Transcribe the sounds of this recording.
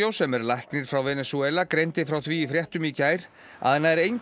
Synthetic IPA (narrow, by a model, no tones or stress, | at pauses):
owsɛmɛɾlajhknɪɾ̥fɾawvɛnɛsuɛlakɾejnt̪ɪfɾawθviːfɾjɛht̪ʏmicaːjɾ̥ | a̰ðɛnːaɛɾejn